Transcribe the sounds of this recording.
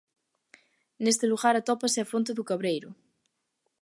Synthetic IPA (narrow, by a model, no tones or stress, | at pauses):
nest̪eluɣaɾat̪ɔpaseafont̪eðukaβɾejɾʊ